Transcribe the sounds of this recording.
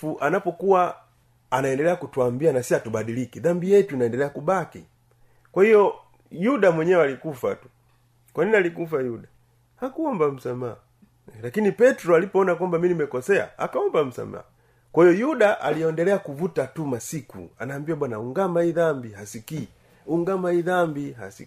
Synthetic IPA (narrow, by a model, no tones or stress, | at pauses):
uʔanapɔkuwa | anaɛndɛlɛakutuambianasiatubaɗilikiðambijɛtuinaɛndɛlɛakubakḭ | kwahijɔ | juɗamwɛɲɛɔalikufa̰tu̥ | kwaninialikufajuɗa | hakuɔmbam̩samaa | lakinipɛtɾɔalipɔɔnakwambaminimɛkɔsɛa̰a̰kaɔmbam̩sa̰ma̰ | kwahijɔjuɗaʔaliɔndɛlɛakuvutatumasikṵanaːmbiaɓwanauŋɡamaiðambihasikiː | uŋɡamaiðambiha̰si